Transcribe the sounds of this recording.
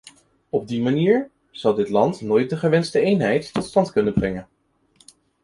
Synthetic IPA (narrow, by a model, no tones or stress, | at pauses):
ɔb̚dimaniːɹ | z̥ɑwˠdɪtlɑntnoːjt̚dəχəʋɛnstəejnɦɛjtːɔtstɑntkɵnənbrɛŋən